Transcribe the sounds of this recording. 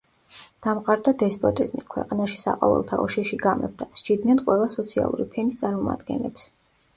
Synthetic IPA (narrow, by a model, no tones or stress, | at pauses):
d̪̥amqʼaɾd̪ad̪ɛspʼɔt̪ʼizmikʰwɛ̰qʼanaʃi̥sa̰qʼɔvɛ̰lˠt̪ʰaɔʃɛʃiɡamɛ̰b̚d̪asd͡ʒid̪nɛnqʼwɛlˠasɔt̪sʰia̰lˠuɾipʰɛnist̪sʼaɾmɔma̰d̪ɡɛ̰nlɛps